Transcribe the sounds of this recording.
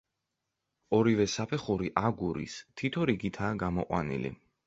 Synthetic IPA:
ɔɾivɛsapʰɛχuɾiʔaɡuɾḭst̪ʰit̪ʰɔɾiɡit̪ʰaːɡamɔ̰qʼwa̰nḭlḭ

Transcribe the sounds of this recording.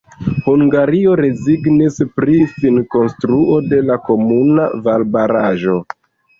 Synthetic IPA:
huŋɡaɾio̞ɾe̞ziɡnispɾisinko̞nstɾuʔo̞de̞lako̞muna̰valbaɾaʒo̞

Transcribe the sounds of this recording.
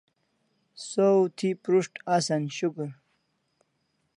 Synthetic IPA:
sowt̪ʰipɾuʂʈasanɕukuɾ

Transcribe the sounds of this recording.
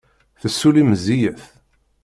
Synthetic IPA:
θəsːuliməzijəθ

